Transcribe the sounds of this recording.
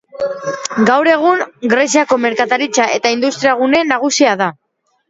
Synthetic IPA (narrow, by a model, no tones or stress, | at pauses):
ɡawɾe̞ɣ̞uŋɡɾe̞siako̞me̞ɾkat̪aɾit͡saʔe̞t̪aind̪ust̪ɾiaɣ̞une̞naɣ̞usiaða